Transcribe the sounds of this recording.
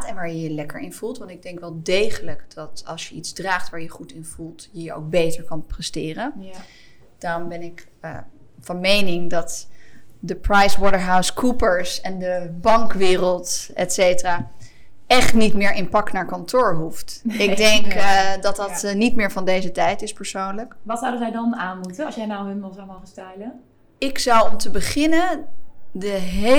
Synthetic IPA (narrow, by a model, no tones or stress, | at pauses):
tɛnʋaːɹjəjəlɛkəɹɪnv̥ulˠtʋɑntɪɡ̚dɛŋkʋɛlˠdejχələkd̥ɑtɑ̰lˠsjəitzdraːχtʋaːɹjəχutɪnv̥ulˠtjəjəo̰wk̚bejtəɹkɑnprɛstɪːrən | d̥ɑnbɛnɪkː | vɑnmejnɪŋdɑt | dəprajswɔɾəɹɦawskʰupəɹsɛndəbɑŋkʋɪːrəlˠtɛtsejtəraː | ɛχtnitmɪːɹʔɪnpɑknaːɹkɑntʊːɹɦuftɪɡ̚dɛŋkdɑtdɑtnitmɪːɹvɑndejzətɛjtɪspəɹsownləkʋɑtsawdənzɛjdɑnaːnmutəsjɛnawɦənmɪlˠzowmowχənstɛjlən | ɪksɑwɔmtəbəχɪnəndəɦe